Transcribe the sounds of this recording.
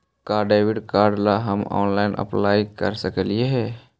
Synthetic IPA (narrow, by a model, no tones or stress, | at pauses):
kaːɾɖaːwiɖkaːɾɖlaɦəmɔ̰ːnlaɪnʔə̰plaːjkə̰ɾsəkəlieɦɛː